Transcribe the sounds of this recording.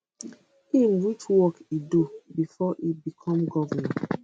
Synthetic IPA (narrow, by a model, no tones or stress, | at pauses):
imɹit͡ʃwɔkidubifɔʔibikʰɔ̃mɡɔvanã